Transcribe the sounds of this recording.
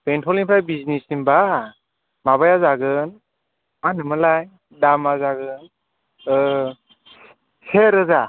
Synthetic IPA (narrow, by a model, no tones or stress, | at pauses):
penpʰɔliŋpʰɾajbiznisimba | maβajazaɡɯn | manɯmɯlaj | damazaɡɯn | seɾɯza